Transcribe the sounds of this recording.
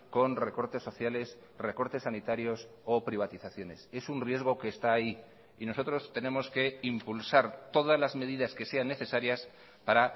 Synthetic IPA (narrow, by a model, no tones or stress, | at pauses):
ko̞nre̞ko̞ɾt̪e̞sːo̞θjale̞s | re̞ko̞ɾt̪e̞sːanit̪aɾjo̞s | opɾiβ̞at̪iθaθjo̞ne̞se̞sunrje̞zɣ̞o̞ke̞ːst̪aːi | ino̞so̞t̪ɾo̞st̪e̞ne̞mo̞ske̞impulsaɾt̪o̞ð̞azlazmeð̞iðaske̞se̞anːe̞θe̞saɾjas | paɾa